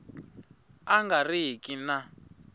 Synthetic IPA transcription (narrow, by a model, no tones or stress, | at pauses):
aŋɡariɦikʼina